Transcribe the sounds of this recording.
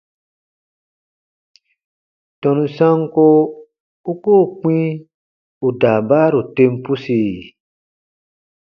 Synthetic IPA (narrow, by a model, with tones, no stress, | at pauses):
tɔ˨nũ˧sã˦ŋ˦ko˦ | u˦ko˦˨k͡pĩ˦ | u˨daː˨ba˦ɾu˨tẽ˧m˦pu˦si˨